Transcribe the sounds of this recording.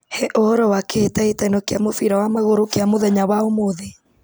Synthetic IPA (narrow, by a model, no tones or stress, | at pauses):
hɛʔohɔɾɔwaketaetaenɔkeamofiɾawamaɣoɾokeamoðɛɲawaomoðe